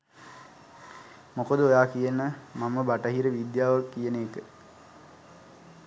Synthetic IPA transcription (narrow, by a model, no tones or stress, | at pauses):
mokod̪əojaːkijənəmaməbaʈəɦiɾəʋid̪jaːʋaːijəneːkə